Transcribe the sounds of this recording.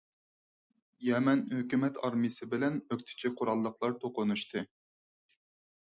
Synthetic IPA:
jɛmɛnhøkʲymɛt̪ʰɑɾmɨjsɨbɪlɛnøkʲt̪ʰɪ̥t͡ʃʰiqʰʊɾɑlˠːəqlˠɑɾt̪ʰoqʊnuʃt̪ʰɨ

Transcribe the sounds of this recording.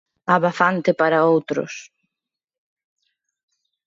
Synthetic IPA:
aβafant̪ɪpaɾaowt̪ɾʊ̰s

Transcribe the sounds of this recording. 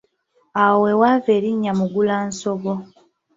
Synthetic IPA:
awe̞waːve̞ːɾiɲːamuɡulaːnso̞βo̞

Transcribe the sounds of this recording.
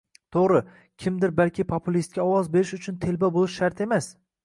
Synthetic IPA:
t̪ʰoʁɾɪ | kʲʰɪmd̪ɪɾbalkʲʰɪpʰopʰʊlist̪̚kʲaɒwɒzbe̞ɾɪʃʊt͡ʃʰʊnt̪ʰe̞lbabolˠɪʃːaɾt̪ʰe̞mas

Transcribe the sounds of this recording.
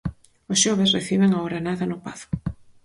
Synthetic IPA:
ʊsʃɔβ̞esreθiβeŋaoɾanaðɐnʊpaθʊ̥

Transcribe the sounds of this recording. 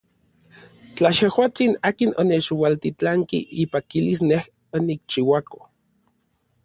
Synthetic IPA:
t͡ɬajehwaːt͡sinaːkinonet͡ʃwalt̪it͡ɬaŋkiʔipakilisneh | onik̚t͡ʃiwako̥

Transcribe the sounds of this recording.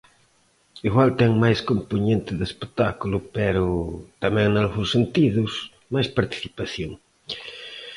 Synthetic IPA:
iɣwalt̪ɛŋmajskompuɲẽnt̪ɪðespet̪akulʊpɛɾʊt̪amɛ̃ŋnalɣũŋsent̪iðʊs | majspaɾt̪i̥θipaθjoŋ

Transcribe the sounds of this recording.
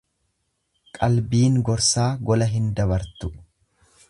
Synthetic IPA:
kʼɐlbiːŋɡɔɾsaːɡɔlɐɦɪnd̪ɐbɐɾt̪ʊ

